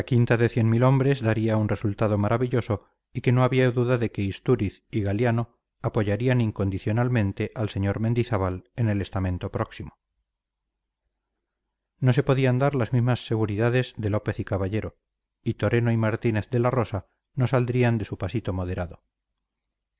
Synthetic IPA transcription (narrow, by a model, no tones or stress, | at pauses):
lakint̪aðe̞θje̞nmilo̞mbɾe̞zðaɾiaunre̞sult̪aðo̞maɾʔaβiʎo̞so̞ | ike̞no̞aβiaðuðaðe̞keist̪uɾiθiɣaljano̞ | apo̞ʝaɾianiŋko̞nd̪iθjo̞nalmẽ̞nt̪e̞ʔalse̞ɲo̞ɾmẽ̞nd̪iθaβale̞ne̞le̞st̪amẽ̞nt̪o̞pɾo̞ksimo | no̞s̬e̞po̞ðiand̪aɾlazmizmasːe̞ɣuɾiðaðe̞zðe̞lo̞pe̞θikaβaʎe̞ɾo̞ | it̪o̞ɾe̞noimaɾt̪ine̞θðe̞laro̞sa | no̞sald̪ɾiand̪e̞supasit̪o̞mo̞ðe̞ɾaðo̞